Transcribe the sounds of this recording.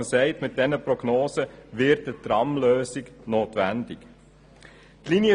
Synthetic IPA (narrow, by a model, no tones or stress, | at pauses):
əsɛɪtmɪt̚d̥ɛnəprɔɡnoːsəʋɪt̚ətɾɑmløːsɪknoːtʋændɪk | tliniə